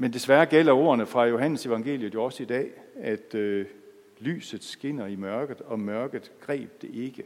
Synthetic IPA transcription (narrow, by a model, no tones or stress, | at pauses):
mend̥e̝sʋæɐɡ̥el̰ɐo̝ːɐnəfʁɑ̈jo̝ɦæn̰əse̝ʋɑ̈ŋɡ̥e̝̰ːljəð̩ˠjo̝ɒ̽səid̥ɛ̰ːæd̥ø | ly̰ːsð̩ˠsɡ̥e̝n̰ɐimɶɐɡ̥ð̩ˠɒ̽mɶɐɡ̥ð̩ˠɡ̥ʁɛ̰ːb̥̚d̥e̝ʔe̝ɡ̥ə